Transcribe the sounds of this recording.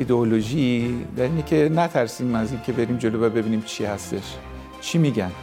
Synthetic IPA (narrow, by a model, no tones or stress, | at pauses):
id̪eoloʒid̪æɾiːnecʰe̞næt̪ʰæɾsiːmæziŋcʲʰe̞be̞ɾiːmd͡ʒolobæbe̞biːniːmt͡ʃʰihæst̪e̞ʃ | t͡ʃʰimiɟæn